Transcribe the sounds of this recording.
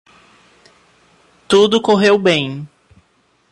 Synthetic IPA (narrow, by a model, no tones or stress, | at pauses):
t̪ud̪ʊkoɦewbẽj̃